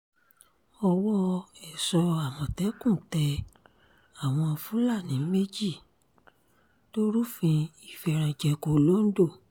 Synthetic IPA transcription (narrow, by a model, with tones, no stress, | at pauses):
ɔ˧wɔ˦ɛ˨sɔ˧a˨mɔ̃˨tɛ˨˦kũ˦˨tɛ˧ | a˦˨w̃ɔ̃˧ɔ˧fũ˦la˦˨nĩ˨˦me˦d͡ʒi˦˨ | to˦ɾu˦fĩ˧i˨fɛ˧˨ɾ̃ã˨˧d͡ʒɛ˧ko˧lo˦n̩˦do˦˨